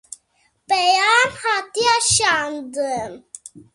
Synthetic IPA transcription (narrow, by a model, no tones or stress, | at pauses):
pejanhat̪iaɕand̪əm